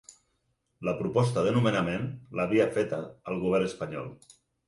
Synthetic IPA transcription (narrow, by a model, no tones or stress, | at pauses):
ləpɾupɔst̪əðənumənamẽnlaβiafet̪ə̰ːlˠɣuβɛɾnəspaɲɔ̰lˠ